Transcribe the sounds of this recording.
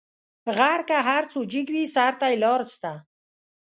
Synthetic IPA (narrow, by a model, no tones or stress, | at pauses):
ɣaɾkaɦaɾt͡sod͡ʒiɡwisaɾt̪ajlɔɾst̪a